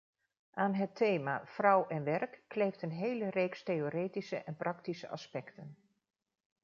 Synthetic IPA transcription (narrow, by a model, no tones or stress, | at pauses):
ʔaːnɦətʰːejma̰frʌwɛnʋɛrkːlejftənɦejlərejkstejoːɾeːtisə̰ʔɛnprɑktisə̰ʔɑ̰spɛktən